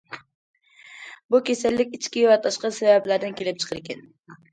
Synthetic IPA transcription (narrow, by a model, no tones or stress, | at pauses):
bukʲʰesælːɪkʲɪt͡ʃkʲiɪvæt̪ʰɑʃqɑsævæblæɾd̪ɪnkʲʰelɪp̚t͡ʃʰɨ̥qʰɨɾekʲɛn